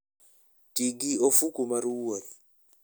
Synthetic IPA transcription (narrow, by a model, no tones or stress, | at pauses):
tiɡiofukumaɾuwoɾi